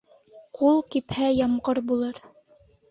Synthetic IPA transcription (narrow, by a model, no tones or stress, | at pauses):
qʰulˠkiphæjɑmʁɤɾbulˠɤɾ